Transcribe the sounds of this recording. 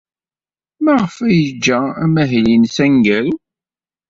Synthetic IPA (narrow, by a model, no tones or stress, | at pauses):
mæʁəfæjəd͡ʒːææmæɦlinsæŋɡæɾu